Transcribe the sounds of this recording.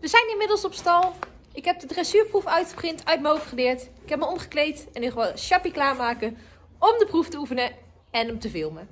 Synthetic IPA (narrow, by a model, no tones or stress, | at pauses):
ʋəzɛjnɪnmɪdəlˠsɔpstɑlˠ | ɪkɦɛp̚dədrɛsyːɹprufœɥtχə̥prɪntœɥt̚məɦowfχəlɪːɹtɪkɛp̚məɔmχə̥klejtɛnyχʋaʃɑpiklaːɹmaːkən | ɔmdəpruftəufənə | ɛnəmtəvɪlˠmə